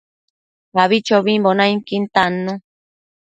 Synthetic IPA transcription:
βaβit͡ʃoβimbonajŋkint̪anu

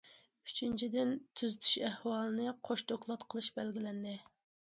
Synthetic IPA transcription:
y̥t͡ʃʰynt͡ʃʰid̪ɪnt̪ʰyzyt̪ʰy̥ʃɛhwɑːlˠɨnɨqʰoʃt̪ʰoklˠɑt̪qʰəlˠɨʃbɛlɡʲilɛnd̪ɪ

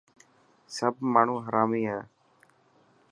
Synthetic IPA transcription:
səb̚maːɳ̤ũːɦəɾaːmiːɦɛː

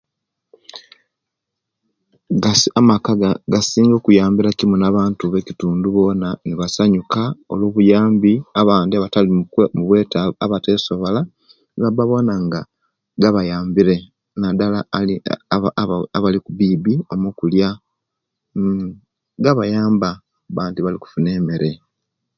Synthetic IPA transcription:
amakaɡasiːŋɡo̞ːkujaːmbiɾacimunaβaːntuβe̞cituːnduβo̞ːnaniβasaɲukaoloːβujaːmbiaβaːndiaβatalimuβweːtaβateːso̞βola | ŋɡabaβo̞ːnaŋɡa | ɡaβajaːmbiɾe̞ | nadalai | aβalikubiːbio̞mukulja | ɡaβajaːmba | βaːndiβaliku̥fune̞ːme̞ɾe̞

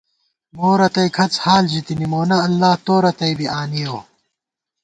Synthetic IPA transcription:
moːɾɐt̪ɐjkʰɐt͡shaːlʑit̪inimoːnɐːlːaːt̪oːɾɐt̪ɐjbiaːnijoː

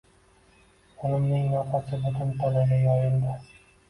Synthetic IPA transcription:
olɪmnɪŋnaqasɪbʊt̪ʰʊnt̪ʰɒlaɡʲajɒjɪnd̪a

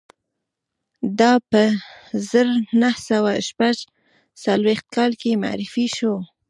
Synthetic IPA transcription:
d̪ɑpəzəɾnahsawaʃpaʒ | salwext̪̚kɑlkema̰ʕɾɪfiʃo

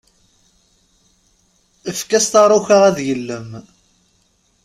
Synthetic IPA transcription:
əfkæst̪ɑɾˤuçaʁæðjəlːəm

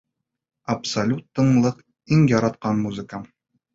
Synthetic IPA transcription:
ɐpsɐlʲut̪ːɤ̆ɴlˠɤq | iŋjɒɾɑt̪qɑnmuzɨkə

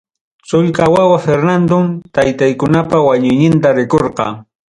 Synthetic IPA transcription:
sʊʎkawawafeɾnand̪omt̪ajt̪ajkʊnapawaɲʊjɲɪnt̪aɾɪkoɾqɑ̰

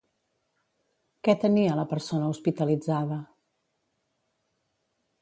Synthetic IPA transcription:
kɛt̪əniələpəɾsonəuspit̪əlid͡zaðə

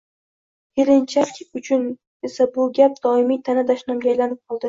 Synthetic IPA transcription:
eɾɪnt͡ʃʰakʲʰʊt͡ʃʰʊn | esabʊɡʲap̚d̪̥ɒɪmijt̪ʰanad̪aʃnamɡʲajlanɪp̚qʰɒlˠd̪ɪ

